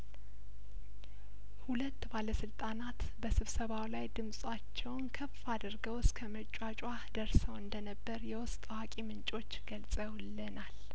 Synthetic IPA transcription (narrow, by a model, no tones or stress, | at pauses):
hulət̪ːbaləsɨlt̪ʼanat̪ | bəsɨβsəβawlajd̪ɨmsʼat͡ʃːɛwnkʰəfad̪əɾɡəwskʰəmət͡ʃʼːat͡ʃʼwa | d̪̥əɾsəwɨnd̪ənəbːəɾjɛwʊst̪ʼwakʼimɨnt͡ʃʼo̞t͡ʃːɡ̥əlsʼəwlːənal